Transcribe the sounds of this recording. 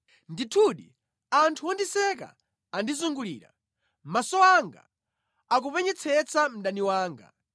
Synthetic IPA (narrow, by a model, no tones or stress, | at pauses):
nditʰuɗḭ | antʰuɔndisɛk̬a̰ | andizuŋɡulḭːɾa̰ | masɔaŋɡa̰ | ak̬upɛɲɛt͡sʰɛt͡sʰam̩ɗaniwaːŋɡa̰